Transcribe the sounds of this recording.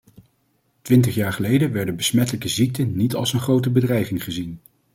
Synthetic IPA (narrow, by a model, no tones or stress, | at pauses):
tʋɪnt̬əχjaːɹχəlejdənʋɛɹdəbəsmɛtələkəzik̚tənitɑ̰lˠsənχrowtəbədrɛjχɪŋχəzin